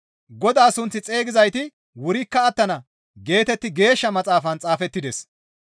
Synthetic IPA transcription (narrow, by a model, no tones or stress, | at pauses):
ɡɔd̪aːsʊnt͡sːɪt͡sʼe̞ːɡɪzɐjt̪ɪ | wʊɾɪkːɐːt̪ːɐnɐ | ɡe̞ːt̪ɛt̪ːɪɡe̞ːʃːɐmɐt͡sʼaːfɐnt͡sʼaːfɛt̪ːɪd̪ɛs